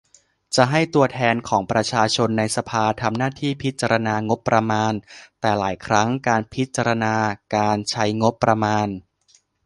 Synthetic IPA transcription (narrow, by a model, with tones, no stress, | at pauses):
t͡ɕa˨˩ʔɦa˥˩jt̪u˧ɐt̪ʰɛː˧nkʰɔː˩˦ŋpɾa˧t͡ɕʰaː˧t͡ɕʰo˧nːa˧jsa˧pʰaː˧t̪ʰa˧mnaː˥˩t̪ʰiː˥˩pʰi˦˥t̪̚t͡ɕa˧ɾa˧naː˧ŋo˦˥pːɾa˧maː˧nt̪ɛː˨˩laː˩˦jkʰɾa˦˥ŋkaː˧npʰi˦˥t̪̚t͡ɕa˧ɾa˧naː˧kaː˧nt͡ɕʰa˦˥jŋo˦˥pːɾa˧maː˧n